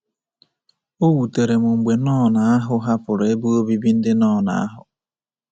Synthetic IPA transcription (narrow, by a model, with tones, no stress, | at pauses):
o˦wu˨te˨ɾe˨mʊ˨ŋ͡m̩˨ɡ͡be˨nɔː˦˨na˨a˦ɦʊ˦ɦa˦fʊ˨ɾe˦bu˦o˦bi˦bi˦n̩˦dɪ˦nɔː˦˨na̰˨a˦ɦʊ˨